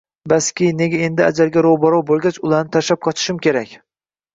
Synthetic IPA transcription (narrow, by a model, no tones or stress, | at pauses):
baskʲijne̞ɡʲae̞nd̪ɪa̰d͡ʒaɾɡʲaɾowbɒɾɒwbolˠɡʲat͡ʃʊlˠaɾnɪt̪ʰaʃap̚qʰɒt͡ʃʰɪ̥ʃɪmkʲʰe̞ɾakʲ